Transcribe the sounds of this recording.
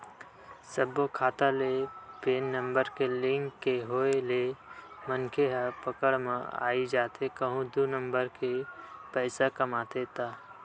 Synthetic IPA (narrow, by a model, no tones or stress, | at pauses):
səbokʰaːt̪alepeːnːə̃mbəɾkelɪ̃ŋkːeɦoːelemənkʰeɦəpəkəɽmẽa̰ːid͡ʒaːt̪ʰekəɦũd̪unəmbəɾkepɛːsakəmaːt̪et̪aː